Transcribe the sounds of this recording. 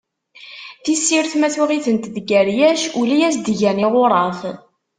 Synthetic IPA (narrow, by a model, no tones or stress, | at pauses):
θisːiɾθmæθwiʁiθənt̪ðɡæɾjæʃulijæs̬d̪ʝænɪʁʊɾˤɑθ